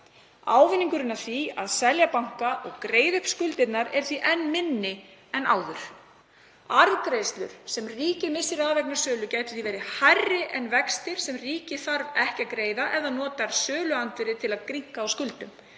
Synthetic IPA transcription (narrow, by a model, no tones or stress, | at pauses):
a̰ːwvɪniŋkʏɾɪnːḁθiaðsɛljapawŋ̥kaʔɔɣkɾeːjðʏhpskʏlt̪ɪt̪naɾɛɾ̥θviʔɛnːmɪnːɪɛna̰ːwðʏɾ̥ | aɾðkɾejst̪lʏ̰ɾ̥sɛmriːcɪmɪsːɪɾaðvɛknasœːlʏcajt̪ɪ̥θivɛːjɾɪhajrːɪʔɛnvɛkst̪ɪɾ̥sɛmriːcɪθaɾvɛhcakɾeːjðaʔɛðanɔːt̪aɾ̥sœːlʏant̪vɪɾɪt̪ʰɪlaðkɾiŋ̥kaawskʏlt̪ʏm